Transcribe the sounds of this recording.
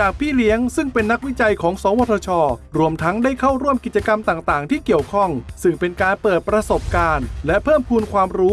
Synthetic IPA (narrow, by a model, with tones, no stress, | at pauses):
t͡ɕaː˨˩k̚pʰiː˥˩li˦˥əŋsɯ˥˩ŋpe˧nːa˥k̚wi˦˥t͡ɕa˧jkʰɔː˩˦ŋsɔː˩˦wɔː˧t̪ʰɔ˧t͡ɕʰɔː˧ɾu˧əmt̪ʰa˦˥ŋdaː˥˩jkʰa˥˩wɾu˥˩əmki˨˩t̪̚t͡ɕa˧ka˧mt̪aː˨˩ŋt̪aː˨˩ŋt̪ʰiː˥˩ki˨˩əwkʰɔ˥˩ŋsɯ˥˩ŋpe˧nkaː˧npɤː˨˩t̪̚pɾa˧so˨˩p̚kaː˧nlɛ˦˥pʰɤː˥˩mpʰuː˧nkʰwaː˧mɾuː˦˥